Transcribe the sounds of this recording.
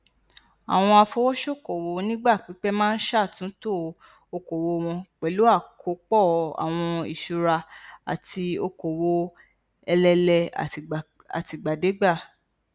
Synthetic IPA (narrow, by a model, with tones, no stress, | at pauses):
a̰˨w̃ɔ̃˧a˧fo˧wɔ˦ʃo˦˨ko˨wo˧nĩ˦ɡ͡ba˦˨k͡pi˨˦k͡pɛ˦mãː˦n̩˦ʃa˦˨tũ˨˦to˦˨ | o˧ko˨wo˧w̃ɔ̃˧k͡pɛ˨˦lu˨˦a˦˨kʰo˨˦k͡pɔ˦˨a̰˨w̃ɔ̃˧ḭ˨ʃu˧ɾa˧a̰˨ti˧o˧ko˨wo˧ | ɛ˧lɛ˧lɛ˧˨ | a̰˨ti˧ɡ͡ba˨de˨˦ɡ͡ba˦˨